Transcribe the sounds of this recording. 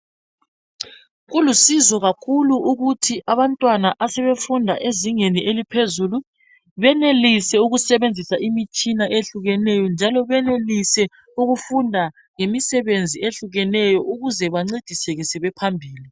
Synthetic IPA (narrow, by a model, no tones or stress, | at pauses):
ɣulusizɔɣakʰuluʔuɣutʰiʔaβantʼwanaʔasɛβefundʱa̰ʔeziŋeniʔelipʰezulu | βɛnelisɛuɣusɛβend͡zʱisaʔimit͡ʃʼinaʔeɬuɣɛnɛjɔnd͡ʒʱalɔβɛnelisɛ | uɣufundʱa | ŋemisɛβend͡zʱieɬuɣɛnɛjɔʔuɣuzɛβaŋ͡ǀid̥ʱisɛɣɛsɛβɛpʰambʱiːli